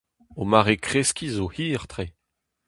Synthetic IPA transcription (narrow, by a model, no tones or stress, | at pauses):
omaʁekχeskʲizohiːʁt̪ʁe